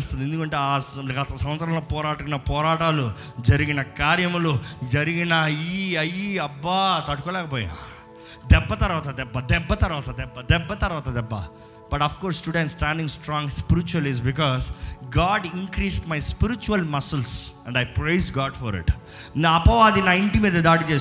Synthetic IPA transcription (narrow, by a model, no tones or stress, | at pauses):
st̪ɐnd̪end̪ukɐɳʈeːaːɡɐt̪ɐsɐ̃m̃ʋɐt̪sɾɐ̃mloːpɔːɾaːʈunɐpɔːɾaːʈaːlu | d͡ʒɐɾiɡinɐkaːɾjɐmulud͡ʒɐɾiɡinɐiːɐjiɐbːɐt̪ɐʈu̥kɔːlɛːkɐp̬ɔːjḭna̰ | d̪ɛbːɐt̪ɐɾʋaːt̪ɐd̪ɛbːɐd̪ɛbːɐt̪ɐɾʋaːt̪ɐd̪ɛbːɐd̪ɛbːɐt̪ɐɾʋaːt̪ɐd̪ɛbːɐ̰ | bɐʈɐpʰkɔːɾsːʈjuːɖẽɳʈsːʈaːɳɖĩŋɡsʈɾɔ̃ːŋɡspiɾit͡ʃuɐliz̬bik̬ɔːzɡaːɖiŋkɾiːsʈmɐjspiɾit͡ʃuɐlmɐsɐlsɛ̃ɳɖɐjpɾejzɡaːɖfɔ̰ɾḭʈ | naɐpɐʋaːɐd̪inaːjiɳʈimiːd̪ɐd̪aːɽit͡ʃeːs